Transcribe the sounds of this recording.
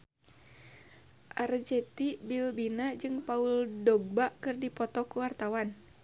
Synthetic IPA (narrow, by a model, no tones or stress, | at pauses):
ʔard͡ʒɛt̪ibilbinad͡ʒɨŋpauldɔɡ̚baʔkɨrdipɔt̪ɔkuwart̪awan